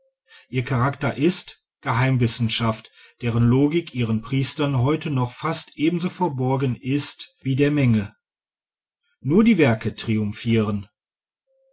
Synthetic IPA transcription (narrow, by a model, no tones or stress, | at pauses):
ʔiːɐkʰaʁaktɐʔɪst | ɡ̥əɦaɪmvɪsn̩ʃaftd̥eːʁənloːɡɪkʔiːʁ̞ənpʁ̥iːstɐnɦɔʏtʰənɔχfastʔeːbm̩zoːfoɐbɔɐɡənɪstv̥iːdeːɐmɛŋə | nuːɐdiːvɛɐkətʁ̥iʊmfiːʁən